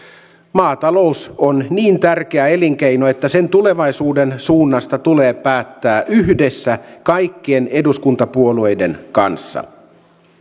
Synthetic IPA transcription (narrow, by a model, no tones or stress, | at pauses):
mɑːt̪ɑlo̞usonniːnt̪ærk̟e̞æe̞liŋk̟ejnoe̞t̪ːæse̞nt̪ule̞ʋɑjsuːde̞nsuːnːɑst̪ɑt̪uleːpæːt̪ːæːʔyɦde̞sːækɑjkːiene̞duskunt̪ɑpuo̞lue̞jde̞nkɑnsːɑ̰